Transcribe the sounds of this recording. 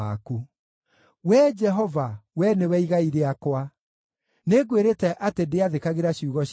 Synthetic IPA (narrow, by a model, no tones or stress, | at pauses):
aku | wɛd͡ʒɛɦɔvawɛnewɛiɣaiɾeakwa | neɡweɾetɛʔatedeaðekaɣeɾaɕiuɣɔɕ